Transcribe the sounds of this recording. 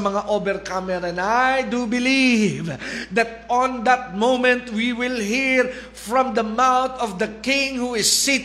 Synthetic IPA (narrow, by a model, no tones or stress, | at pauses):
mɐŋaʔobɛɾkamɛɾaɛ̃najd̪ubɪlivd̪at̪̚ɔ̃nd̪at̪̚mõʊmɛ̃nt̪wiwɪlˠɦiɹ | fɹɔ̃md̪əmaʊt̪ɔvd̪əkɪ̃ŋhuɪsːi